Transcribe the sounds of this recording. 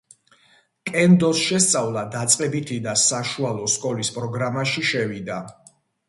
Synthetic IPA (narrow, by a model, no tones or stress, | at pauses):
kʼɛnd̪ɔsʃɛst̪sʼavlˠad̪at̪sʼqʼɛbit̪ʰid̪asaʃualˠɔskʼɔlispʼɾɔɡɾamaʃiʃɛvid̪a